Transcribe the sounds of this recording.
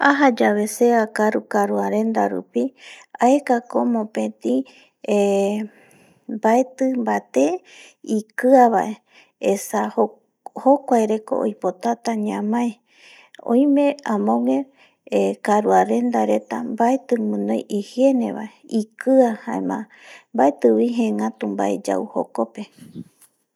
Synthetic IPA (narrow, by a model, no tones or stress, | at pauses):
aɦad͡ʒaβe̞se̞akaɾukaɾuaɾe̞nd̪aɾṵpiaekakomõpẽt̪ĩ | e | mbaet̪ɨmbat̪e | ikɨaβaʔe | esaho | hokʷaeɾe̞ko̰ʔo̰jpot̪at̪aɲãmãe | õ̰j̃mẽãmõŋẽ | ekaɾuaɾe̞nd̪aɾe̞t̪ambaet̪ɨmɨ̃nõjʔihje̞nḛβa̰ʔeikɨahãemã̰ | mbaet̪ɨwiɦẽŋãt̪umba̰ed͡ʒa̰uho̰ko̞pe̞